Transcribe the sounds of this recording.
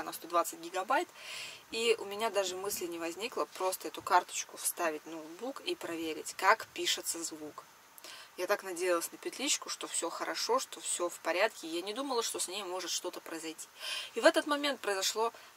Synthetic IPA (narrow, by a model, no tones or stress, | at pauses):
nɐst̪o̞d̪vat̪sɨt̚ʲɡʲɪɡɐbajt̪iʔʊmʲɪnʲad̪aʐɨmɨsʲlʲɪnʲɪvɐzʲnʲiklˠəpɾo̞st̪əɛt̪ʊkart̪ə̥t͡ɕkʊfst̪avʲɪtʲnowd̪̚bukipɾɐvʲeɾʲɪ̰tʲkakpʲiʂɨt̪səzvuk | jat̪aknɐdʲejɪlˠəsʲnəpʲɪt̪lʲit͡ɕːkʊʂt̪o̞fsʲoxəɾʔɐʂo̞ʂt̪ofsʲofpɐɾʲat̪kʲɪjanʲɪd̪uməlˠəʂt̪osʲnʲejmo̞ʐɨt̪ʂt̪o̞t̪əpɾəɪzɐjtʲʰi̥ivɛt̪ət̪mɐmʲent̪̚pɾəɪzɐʂlˠo̞